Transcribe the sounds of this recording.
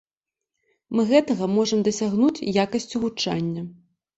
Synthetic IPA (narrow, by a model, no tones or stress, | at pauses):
mɨɣɛt̪ɐɣɐmɔʐɐmd̪ɐsʲaɣnut͡sʲjakɐsʲt͡sʲuvut͡ʂa̰nʲːɐ